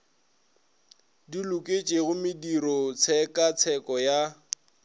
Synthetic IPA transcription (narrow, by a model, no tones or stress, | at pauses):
dilʊkʼet͡ʃʼeɣʊmɪdiɾɔt͡sʰɛkʼat͡sʰɛkʼɔja